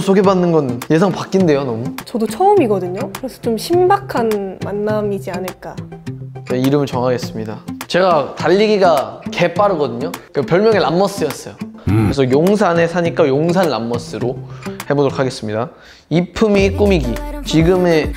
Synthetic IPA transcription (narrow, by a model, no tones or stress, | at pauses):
sʰoɡe̞banːɯnɡʌnje̞s̬ʰaŋpak͈inde̞jonʌmut͡ɕʌdot͡ɕʰʌɯmiɡʌdɯɲokɯɾe̞sʰʌ̥t͡ɕomɕʰimbakʰanmanːamid͡ʑianɯɭk͈a | eiɾɯmɯɭt͡ɕʌŋɦaɡe̞s͈ɯmɲidat͡ɕe̞ɡataʎːiɡiɡake̞p͈aɾɯɡʌdɯɲokɯpjʌɭmjʌŋe̞namːʌs͈ɯjʌs͈ʌjokɯɾesʰʌjoŋsʰane̞sʰaɲik͈ajoŋsʰanːa̰mːʌs͈ɯɾohe̞boɡɯɭkʰaɡe̞s͈ɯmɲida | ipʰɯmik͈umiɡit͡ɕiɡɯme̞